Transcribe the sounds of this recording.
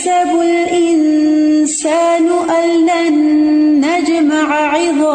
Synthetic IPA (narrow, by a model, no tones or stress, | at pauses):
abʊlʔɪnsaːnʔalːanːad͡ʒmaʕʕɪðˤɑː